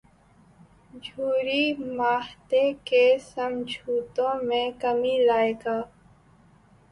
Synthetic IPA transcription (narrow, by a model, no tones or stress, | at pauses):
d͡ʒʱuːɾimaːht̪ekesəmd͡ʒʱuːt̪õːmẽkəmilaːeːɡaː